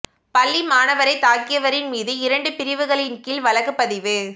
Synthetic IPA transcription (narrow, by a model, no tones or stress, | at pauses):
pɐlːimaːnɐʋɐɾɐɪt̪aːkɪjɐʋɐɾɪnmiːðɯɪɾɐɳɖɯpɪɾɪʋɯɣɐɭɪnkɪlʋɐlɐɣɯpːɐðɪʋɯ